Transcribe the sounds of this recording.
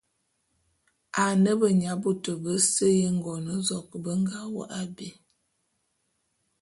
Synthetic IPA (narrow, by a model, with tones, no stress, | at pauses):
a˨nə˦bə˨ɲa˨˦bo˨tə˨bə˦sə˦jə˦ŋ̩˨ɡɔ˨nə˦zɔ˨k̚bə˦ŋ˦ɡa˦wə̰˦ʔa˦bi˨